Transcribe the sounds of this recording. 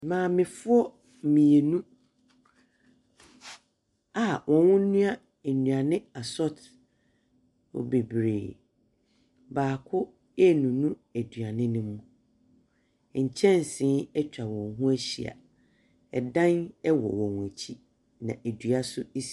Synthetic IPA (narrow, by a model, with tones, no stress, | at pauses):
mãː˨mɪ̃˨fʊ˦ɔ˦ | mĩ˨e˨nũ˦ | a˨wʔɔ̃˨wʊ̃˦nũ˦a˦˨ | nũ˨a˨nɪ̃˦a˨sɔ˦t | ɔ̰˨be˨bɾḛː˨ | baː˨kʰʊ˦ | ɛ˦nũ˨nũ˦æ˨dɥa˨nɪ̃˦nɪ̃˦mũ˨ | ɲ̩˨t͡ɕʰɛ̃˦n˨sɪ̃˦ɛ˦t͡ɕᶣa˨wɔ̃˨nɦʊ̃˦æ˦ɕḭ˨a̰˨ | ɛ˨dã˦nɛ˦wɔ̰˨wɔ̃˨wæ˨t͡ɕʰi˦ | nã̰˨ʔæ˨dɥa˨sʊ˦i˦s